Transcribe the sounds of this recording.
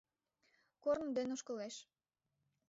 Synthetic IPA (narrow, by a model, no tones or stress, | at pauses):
kornd̪enoʃkəleʃ